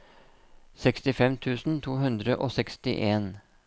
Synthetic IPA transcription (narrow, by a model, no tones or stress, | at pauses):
sɛkst̪ɪfɛmt̪ʰʉːsn̩t̪ʰuːhʉnd̪ɾəʔoːsɛkst̪ɪ̰ʔeːn